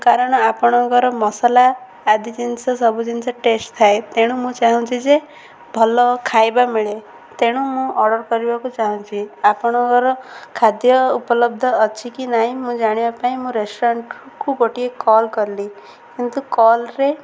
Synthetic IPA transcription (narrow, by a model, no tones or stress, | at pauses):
kaɾɔɽ̃ɔapɔɽ̃ɔɡɔɾɔmɔsalaː | d̪id͡ʒinsɔsɔbud͡ʒinsɔʈesʈt̪ʰːaet̪eɽ̃ũmũt͡ʃaɦũt͡ʃʰid͡ʒe | bʱɔlɔkʰajbamiɭe | t̪eɽ̃ũmũʔɔɾɽɔɾkɔɾibakut͡ʃaɦũt͡ʃʰiapɔɽ̃ɔkɔɾɔkʰad̪jɔupɔlɔbd̪ʱɔːt͡ʃʰikinaɦĩmũd͡ʒaɽ̃ibapaĩmũɾesʈɔɾaɳʈ | kuɡɔʈiekɔlkɔɾli | kint̪ukɔlɾe